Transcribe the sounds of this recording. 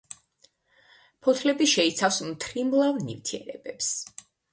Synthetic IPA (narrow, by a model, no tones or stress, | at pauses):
pʰɔt̪ʰlɛbiʃɛit̪sʰafsmt̪ʰɾimlˠavnḭvt̪ʰiɛ̰ɾɛbɛps